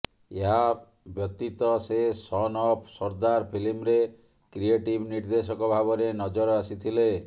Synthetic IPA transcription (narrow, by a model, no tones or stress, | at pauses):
eɦa | bjɔt̪it̪ɔsesɔnɔpʰsɔɾd̪aɾpʰilimɾe | kɾieʈibniɾd̪esɔkɔbʱabɔɾenɔd͡ʒɔɾɔasit̪ʰile